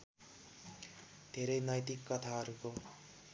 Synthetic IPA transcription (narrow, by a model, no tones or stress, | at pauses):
d̪̥ʱeɾʌjnʌjt̪ikːʌt̪ʰaɦʌɾuko